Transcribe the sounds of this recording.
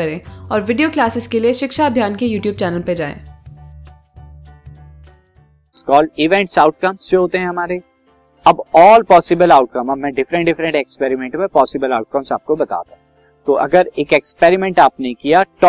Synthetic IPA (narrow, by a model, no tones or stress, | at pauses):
ɐɾẽːɔːɾʋɪɖijoklaːsɪskelieʃɪkʃaɐbʱjaːnkejuːʈjuːb̚t͡ʃɛːnəlped͡ʒaːḛ̃ː | skɔːlɪʋɛ̃ɳʈsaːʊʈ̚kɐmsjeɦoːt̪eɦɛ̃ɦɐmaːɾe | ɐbɔːlpɔːsɪbəlaːʊʈ̚kɐmɐbmɛ̃ːɖɪfɾə̃ɳʈɖɪfɾə̃ɳʈekspɛːɾɪmɛ̃ɳʈmẽpɔːsɪbəlaːʊʈ̚kɐmsa̰ːp̚kobɐt̪a̰ːt̪ã | t̪oʔɐ̰ɡəɾeːkekspeːɾɪmɛ̃ɳʈaːpnekijaʈː